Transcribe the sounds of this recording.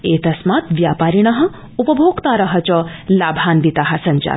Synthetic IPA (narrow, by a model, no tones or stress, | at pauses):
et̪ɐsmaːt̪ʋjaːpaːɾiɽ̃ɐɦɐ̆ | upəbʱoːɡt̪aɾɐɦət͡ʃɐlaːbʱaːnʋit̪aɦɐ̆sɐɲt͡ʃa̰ː